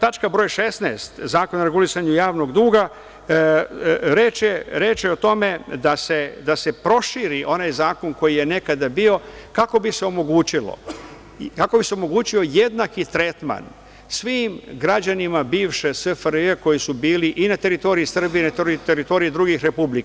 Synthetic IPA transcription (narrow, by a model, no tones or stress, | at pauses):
t̪at͡ʃkabɾo̞ːjʃesnest̪zaːko̞noɾeɡulisaɲujaːʋno̞ɡd̪uːɡa | ɾeːt͡ʃjeɾeːt͡ʃjeot̪o̞me̞d̪ase̞d̪ase̞pɾo̞ʃiɾiʔo̞najzaːko̞nko̞jije̞ne̞kad̪abio̞kako̞bise̞o̞mo̞ɡuːt͡ɕilo̰ | kako̞bise̞omo̞ɡuːt͡ɕio̞je̞d̪nakit̪ɾe̞t̪ma̰n | sʋiːmɡɾad͡ʑanimabiːʋʃe̞sʋefɾeko̞jisubiːliʔinat̪e̞ɾit̪o̞ɾiisr̩biinat̪oit̪eɾit̪o̞ɾiid̪ɾuɡixɾe̞publika